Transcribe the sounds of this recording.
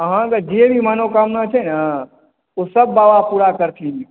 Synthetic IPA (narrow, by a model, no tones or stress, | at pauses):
ɦãk̪əd͡ʒeebʱimanokamnat͡ʃʰɛna | osəb̚ːaːʋapuːɾakəɾt̪ʰin